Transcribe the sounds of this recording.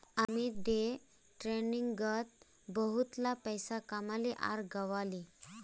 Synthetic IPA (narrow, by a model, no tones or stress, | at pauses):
amid̪e | ʈɾeniŋɡɡət̪ | bəɦut̪lapəjsakamaleʔa̰ɾɡəʋali